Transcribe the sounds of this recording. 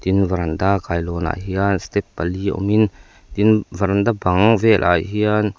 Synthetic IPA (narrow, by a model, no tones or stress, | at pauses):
t̪invɐɾand̪akajlɔna̰ɦianst̪ɛpːaliɔ̰min | t̪invɐɾand̪abɐŋvɛlʔa̰jɦian